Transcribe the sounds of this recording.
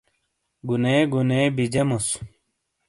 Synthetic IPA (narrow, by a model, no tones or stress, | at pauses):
ɡuneːɡuneːbid͡ʑemos